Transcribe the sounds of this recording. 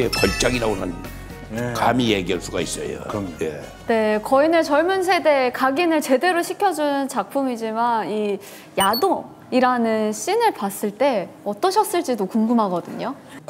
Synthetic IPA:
epʌɭt͡ɕ͈aɡiɾaɡonan | kamije̞ɡiɦaɭs͈uɡais͈ʌ̰jo̰jḛ | ne̞kʌinɯt͡ɕʌɭmuns̬ʰe̞de̞kaɡinɯɭt͡ɕe̞de̞ɾoɕʰikʰjʌd͡ʑunɯnt͡ɕak̚pʰumid͡ʑimani | jado | iɾanɯnɕ͈inɯɭpas͈ɯɭt͈e̞ʌt͈ʌɕʰʌs͈ɯɭt͡ɕ͈idokuŋɡumɦaɡʌdɯɲo

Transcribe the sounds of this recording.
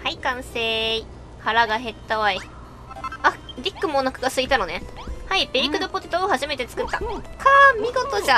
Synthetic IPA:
haikãɰ̃seːi | haɾaɡaɦe̞t̪ːaβai | aɾʲikːɯ̟monakɯɡasɨit̪ano̞ne̞haibeikɯ̟d̪opo̞t̪et̪oːhaʑime̞t̪e̞t͡sɨ̥kɯ̟t̪ːakʰamʲiɡo̞t̪o̞ʑa

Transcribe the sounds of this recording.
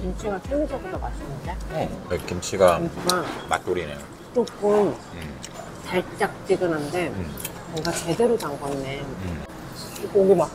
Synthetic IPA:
kimɕ͈ʰiɡasʰeŋud͡ʑʌɡudomas͈ɯnɯnd͡ʑaekimɕ͈ʰiɡaɡama̰t̚t͈oɾinḛjo | t͡ɕ͈ok͈ɯm | t͡ɕaɭt͡ɕ͈ak̚t͡ɕ͈iɡɯnɦande | bʌŋɡat͡ɕe̞de̞ɾotaŋɡʌnen | koŋɡɯma

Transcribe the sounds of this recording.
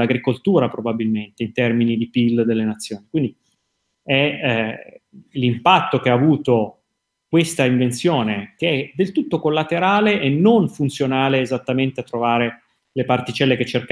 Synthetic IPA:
aɡɾikolt̪uːɾapɾobabilment̪eint̪ɛrminid̪ipild̪elːenat̪sːjoːnikwind̪i | ɛ | limpat̪ːokeaːvuːt̪o | kwest̪aiɱvent̪sjoːnekeɛd̪elt̪ut̪ːokolːat̪eɾaːleʔenːonfunt̪sjonaːleːzat̪ːament̪eat̪ːɾovaːɾe | lepart̪it͡ʃɛlːeket͡ʃːerk

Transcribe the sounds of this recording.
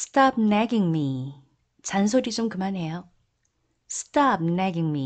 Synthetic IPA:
stʰap̚naɡiŋmi | t͡ɕans̬ʰoɾit͡ɕomkɯmanɦe̞jo | sɯ̥tap̚naɡiŋmi

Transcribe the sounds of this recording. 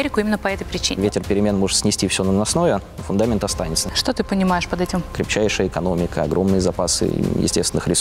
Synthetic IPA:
eɾʲɪkʊimʲɪnːəpɐɛt̪əjpɾʲɪt͡ɕḭvʲetʲɪrpʲɪɾʲɪmʲe̞nmo̞ʐɨt̪sʲnʲɪsʲtʲifsʲonənɐsno̞vʲɪ | fʊnd̪amʲɪnt̪ɐst̪anʲɪt̪səʂt̪ot̪ɨpənʲɪmaɪʂpɐd̪ɛtʲɪmkɾʲɪp̚t͡ɕæjʂɨjəɪkɐno̞mʲɪkəɐ̰ɡɾʔo̞mnɨjəzɐpasɨ̰jɪ̰sʲtʲest̪vɪnɨxɾʲɪs

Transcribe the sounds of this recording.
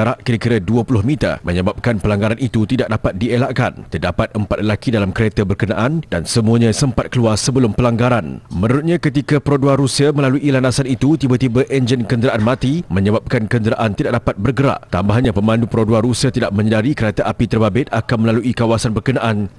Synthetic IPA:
ɾaʔkiɾəkiɾaduəpulʊhmit̪a̰məɲəbap̚kanpəlaŋɡaɾanit̪ut̪idaʔ̚dapat̪̚dielaʔkant̪ərdapat̪̚əmpat̪̚lelakidalamkəɾet̪abərkəna̰ʔanda̰nsəmũaɲãsəmpat̪̚kəluarsəbəlʊmpəlaŋɡaɾanmə̃nəɾut̪̚ɲãkət̪ikapəɾoduaɾusiəmə̃laluʔilanasanit̪ut̪ibat̪ibəʔɛnd͡ʒənkəndəɾaʔanmãt̪imə̃ɲəbap̚kankəndəɾaʔant̪idaʔ̚dapat̪̚bərɡəɾa̰ʔt̪ambaɦɲãpəmãndupɾoduaɾusiət̪idaʔ̚mə̃ɲədaɾikəɾat̪aʔapit̪ərbabɪt̪̚akanmə̃laluʔikawasanbərkənaʔan

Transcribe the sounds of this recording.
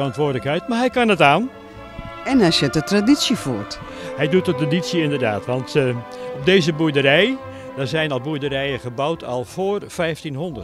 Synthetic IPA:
ɑntʋoːdələkhœjtmaɹɦɛjkanətaːn | ɛnasjətətradit͡sjəfṵt | hɛjdut̚ətradisjəɪndərdaːtʋɔntɔp̚deːzəbudərɛj | dazɛjnɔlˠbuədərɛjəχəbawtʰɔ̰lˠfoːrfɛjftinhondət

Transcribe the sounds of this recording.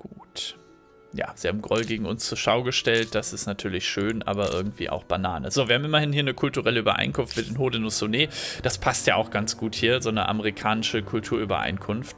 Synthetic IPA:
ɡ̥uːt | ja̰ːz̥ihaːbm̩ɡʁɔlɡeːɡŋ̩ʊnst͡suːɐʃaʊɡəʃtɛlt̚d̥asɪstnatʰyːɐlɪçʃøːnʔa̰ːβɐʔɪ̰ɐɡŋ̩tv̥ḭːʔa̰ʊxb̥anaːnə̰zoːviːɐhaːm̩ɪmɐhɪnhiːɐnəkʰʊltuʁɛləybɐ̰ʔa̰ɪnkʰʊnftmɪtdɪnɦoːdənʊsoneːd̥aspʰastjaːaʊxɡ̥ant͡sɡ̥uːthiːɐzoːnəʔa̰məʁikʰaːnɪʃəkʰʊltʰuːɐybɐ̰ʔa̰ɪnkʰʊnft

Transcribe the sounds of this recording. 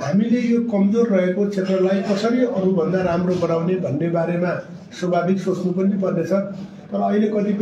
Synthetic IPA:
ɦamilejokʌmd͡zorːʌɦekot͡sʰet̪rʌlajkʌsʌɾiʌɾubʱʌnd̪aɾamrobʌnawnebʱʌnːebaɾema | swʌbʱabiksot͡snupʌnipʌrd̪et͡sʰʌ | t̪ʌɾʌːʌilekʌt̪ip

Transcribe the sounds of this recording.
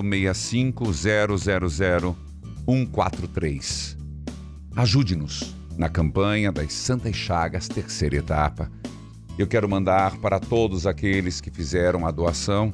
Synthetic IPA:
mejɐsĩkʊzɛɾʊzɛɾʊzɛɾʊ | ũkwa̰t̪ɾʊt̪ɾejs | aʒud͡ʒɪnʊs | nɐkɐ̃mpɐ̃ɲɐd̪ɐsɐ̃nt̪ɐʃaɡɐst̪eɾsejɾɐet̪a̰pɐ | ewkɛɾʊmɐ̃nd̪aɾpaɾɐt̪od̪ʊzakelɪskɪfizɛɾɐ̃w̃ɐd̪oasɐ̃w̃

